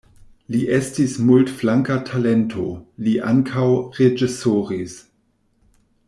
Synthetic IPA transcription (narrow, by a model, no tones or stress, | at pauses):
liʔestismultflaŋkatʰalentʰoliʔa̰ŋkʰawʁed͡ʒisoʁis